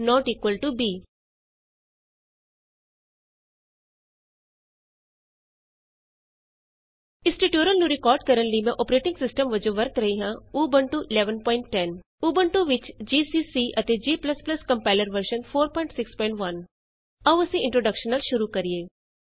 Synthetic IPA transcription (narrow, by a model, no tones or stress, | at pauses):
nɔːʈiːkʋəlʈubiː | ɪsʈiʈjoːɾənnuɾɪkɔːɾɖ̚kəɾənlimɛ̃ʔɔːpɾeːʈɪ̃ŋɡsɪsʈəmʋɐd͡ʒõʋɐɾt̪ɾɐɦiɦãuːbəɳʈuʔɪlɛːʋənpɔːɪɳʈːɛn | uːbəɳʈuʋɪt͡ʃd͡ʒiːsiːsiːʔɐt̪ed͡ʒiːpləsplɐskɐ̃mpaːɪləɾʋəɾʃənpʰoːɾpɔ̃ːɪ̃ɳʈsɪkspɔ̃ɪ̃ɳʈʋɐn | ɐʋʊsẽɪ̃ɳʈɾoːɖəkʃənəlʃʊɾukɐɾieː